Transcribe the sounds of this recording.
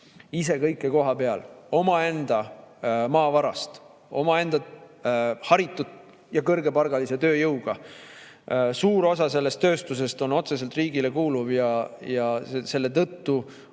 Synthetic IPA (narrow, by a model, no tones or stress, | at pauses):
ise̞kɤjkːˑe̞ko̞ɦɑpe̞ɑlo̞mɑe̞nd̪̥ɑmɑːvɑɾɑst̪ | o̞mɑe̞nd̪̥ɑ | hɑɾit̪ːˑut̪ˑ | jɑkɤrɡ̥e̞pɑrɡ̥ɑlise̞t̪ø̞ːjɤwɡ̥ɑ | suːɾo̞sɑse̞lːe̞st̪ːø̞ːst̪us̬e̞st̪o̞no̞t̪se̞s̬elt̪riːɡ̥ile̞kuːluvjɑjɑese̞lːe̞t̪ɤt̪ːu